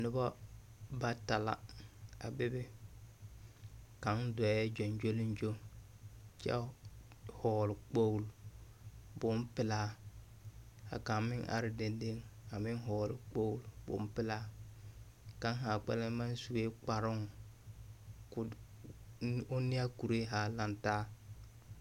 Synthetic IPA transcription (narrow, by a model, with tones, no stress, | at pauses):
nʊ˦ba˦ba˦ta˨la̰˨a̰˨bɪ˦bɪ˦ | ka˨˦ŋdɔ˨˦ɛ˦d͡ʒo˨nd͡ʒo˦lɪ˦nd͡ʒo˦ŋ | t͡ʃɛ̰˦ | hɔː˨lɪ˨k͡po˦wl | bʊ˦m˦pɪ˨laː˦˨ | a̰˨ka˨mɪ˦ŋʔa̰˨ɾɪ˦de˨nde˦ŋa˨mɪ˦ŋɦɔː˨lɪ˨k͡po˦wlbʊ̰˨˦pɪ˦la˦ | ka˦ŋ˦ɦa˨k͡pɛ̰˦lɪ˦ma˦n˦su˨we˦k͡pa˨ɾʊ˦ŋ˨ | ʊ˦nɪ˦a˦ku˨ɾe˦ɦa˨la˦ntaː˦